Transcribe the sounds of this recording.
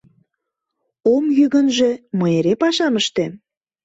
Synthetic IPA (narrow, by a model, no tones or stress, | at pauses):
omjyɣənʒĕməeɾepɑʃɑməʃt̪em